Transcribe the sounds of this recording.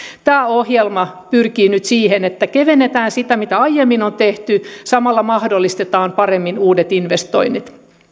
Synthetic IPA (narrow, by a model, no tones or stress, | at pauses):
t̪æːohjelmɑpyrkiːnyt̪siːhenet̪ːækeʋenːet̪æːnsit̪æmit̪æɑjemːinont̪eht̪ysɑmɑlːɑmɑhdolːist̪et̪ɑːmpɑremːinuːdet̪inʋest̪o̰init̪